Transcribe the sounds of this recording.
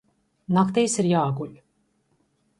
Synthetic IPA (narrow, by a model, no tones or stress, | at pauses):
nakt̪ijsiɾjaːɡuʎʲ